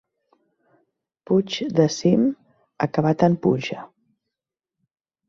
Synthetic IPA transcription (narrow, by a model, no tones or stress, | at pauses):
put͡ʃd̪əsim | əkəβat̪əmpuʒə